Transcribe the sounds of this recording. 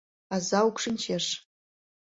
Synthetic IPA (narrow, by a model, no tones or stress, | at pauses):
azawkʷʰʂɨnt͡ʃʰaʂ